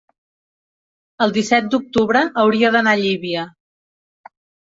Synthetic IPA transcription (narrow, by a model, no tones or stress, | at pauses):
əlˠd̪isɛt̪̚d̪uk̚t̪uβɾəʔːwɾiəðənaʎiβiə